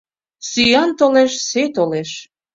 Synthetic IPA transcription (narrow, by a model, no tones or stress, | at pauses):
syjɑnt̪oleʃset̪oleʃ